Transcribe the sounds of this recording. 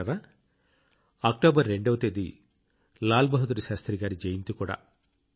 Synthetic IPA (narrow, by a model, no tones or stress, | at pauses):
ɾaː | ak̚ʈoːbɐɾːeɳɖɐʋɐt̪eːd̪ḭ | laːlbɐɦud̪uɾuʃaːst̪ɾiɡaːɾid͡ʒejint̪ukuːɽa̰ː